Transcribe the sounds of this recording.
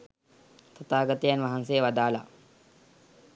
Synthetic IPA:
t̪at̪aːɡat̪əjanʋaɦansejəʋad̪aːla̰

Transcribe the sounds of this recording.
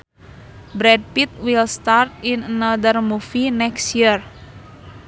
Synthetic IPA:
bɾɛd̚pit̪̚wilst̪art̪inənad̪ərmufinɛksjir

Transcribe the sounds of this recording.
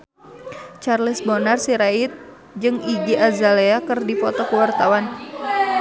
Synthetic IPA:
t͡ʃarlɪsbonarsiɾait̪̚ | d͡ʒɨŋiɡiazaleakɨrdifɔt̪ɔkəwart̪awan

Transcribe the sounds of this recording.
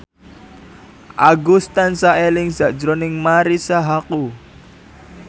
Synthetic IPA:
ʔaɡust̪ansaʔelɪŋz̥a̤ʔd͡ʒɾonɪŋmaɾisaɦaku

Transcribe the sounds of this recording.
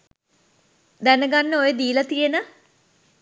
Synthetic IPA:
d̪ænəɡanːəojəd̪iːlɐt̪ijenə

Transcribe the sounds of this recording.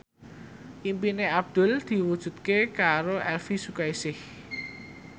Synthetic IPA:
ʔimpineab̚d̪̥ʊ̤ld̪̥i̤wud̥ʒ̥ṳt̪̚kekaɾoʔɛlfisukaisɪh

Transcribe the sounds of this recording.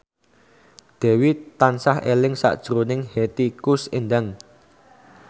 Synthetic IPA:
d̪̥ɛ̤wit̪ansahelɪŋsa̰ʔd̥ʒ̥ɾonɪŋhet̪ikʊsendaŋ

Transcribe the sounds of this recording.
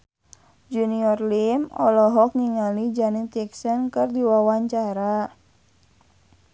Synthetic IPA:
d͡ʒuniɔrlimɔlɔɦɔk̚ŋiŋalid͡ʒanit̪ɛksənkɨrdiwawaɲt͡ʃaɾa

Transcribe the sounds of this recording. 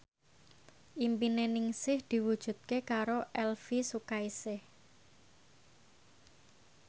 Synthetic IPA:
ʔimpinenɪŋsɪhd̪̥i̤wud̥ʒ̥ṳt̪̚kekaɾoʔɛlfisukaisɪh

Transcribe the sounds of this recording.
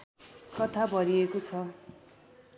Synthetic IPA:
kʌt̪ʰabʱʌɾiekot͡sʰʌ

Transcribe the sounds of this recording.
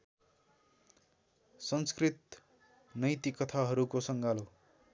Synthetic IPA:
sʌnskrit̪ | nʌjt̪ikʌt̪ʰaɦʌɾukosʌŋɡalo

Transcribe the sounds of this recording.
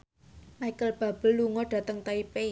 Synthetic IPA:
majkəlb̥a̤b̥ə̤lːuŋɔɖ̥ä̤t̪əŋt̪aipe

